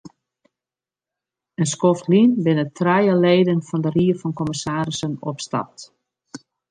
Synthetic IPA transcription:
ənskoftlinbɪnətʰrɛjəleːdənfɔndəriəfɔnkɔməsaːɾɪsəno̰psta̰t

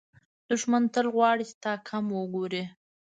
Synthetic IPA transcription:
d̪̥ʊʃmant̪əlɣwɑɽit͡ʃɪ̥t̪ɑkʰamwəɡoɾe

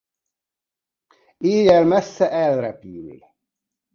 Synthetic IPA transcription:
iːjælmæsːæʔælɾæpiːmḭl

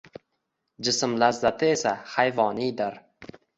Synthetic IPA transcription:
d͡ʒɪsɪmlazːat̪ʰɪesahajvɒnid̪ɪɾ

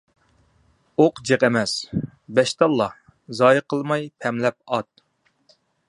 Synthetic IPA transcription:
oqd͡ʒeqɛmɛsbɛʃt̪ɑlˠːɑ | zɑːjɨqʰəlˠmɑjpʰɛmlɛp̚ɑt̪̚

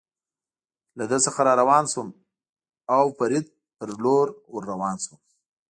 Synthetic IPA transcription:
lad̪əsəxaɾɑɾawɑnsum | awpaɾɪd̪̚ | pəɾloɾwəɾːawɑnsum

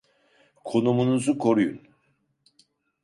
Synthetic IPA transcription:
kʰo̞numunuzukʰo̞ɾujṵn

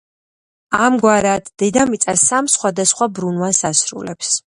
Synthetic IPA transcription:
amɡwaɾad̪d̪̥ɛd̪amit̪sʼasamsχwad̪asχwabɾunvwasasɾṵlɛps

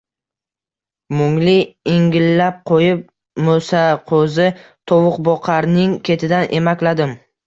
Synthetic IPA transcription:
mʊŋlɪɪŋɡʲɪlːap̚qʰojɪp̚ | mosaqʰozɪt̪ʰowʊqbɒqʰaɾnɪŋkʲʰe̞t̪ʰɪd̪anʔe̞makʲlad̪ɪm

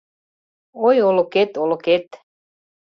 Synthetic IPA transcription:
ojoloket̪oloket̪

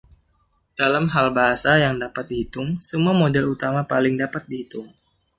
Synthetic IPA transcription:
d̥alamɦalbaɦasajaŋdapat̪̚dihit̪ʊŋsəmuamodɛlut̪amapalɪŋdapat̪̚dihit̪ʊŋ

